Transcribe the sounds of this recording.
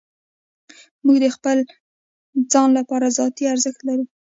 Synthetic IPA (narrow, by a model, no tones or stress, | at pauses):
muɡd̪əxpəl | d͡zɑnlapɑɾazɑt̪iaɾzəxt̪laɾu